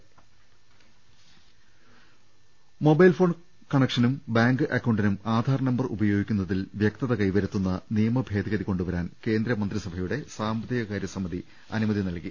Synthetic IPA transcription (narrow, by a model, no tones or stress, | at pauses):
mo̞bɐjlfoːɳ | kɐɳekʂɐnumbaːŋɡɨʔɐkːɐwɳɖinumaːd̪ʱaːɾɐnɐmbɐrubɐjo̞ːɡikʲːunːɐðilʋjɐk̚t̪ɐðɐkɐjʋɐɾut̪ːunːɐnijɐmɐbʱe̞ːd̪iɣɐðiko̞ɳɖuʋɐɾaːnke̞ːnd̪ɾɐmɐnd̪risɐbʱɐjuɽe̞saːmbɐt̪ːiɡɐkaːɾjɐsɐmɐði | ɐ̰numɐðinɐlki